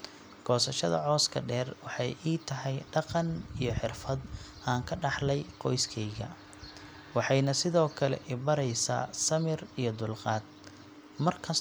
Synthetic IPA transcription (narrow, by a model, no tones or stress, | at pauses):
ɡ̥ɔːsɐʃɐðɐ̰ʕɔːskʰɐ̰ɖɛːrwɑħɑjʔiːt̪ʰɐɦɛjɖɑqɑnijɞħɪrfɐd̪ʔaːŋkʰɐɖɑħlɛjqɔjskʰɛjɣɐ̰ | wɑħɑjnɐsɪðɔːkʰɐlɛ̰ʔɪbɐɾɛjsa̰ːsɐmɪrijɞd̪ʊlqɑːd̪̚ | mɐrkʰɐs